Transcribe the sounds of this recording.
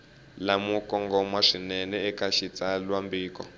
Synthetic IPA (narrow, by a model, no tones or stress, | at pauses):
lamukɔŋɡɔmwaʂinɛnɛɛkaʃit͡salwambiːkɔ̰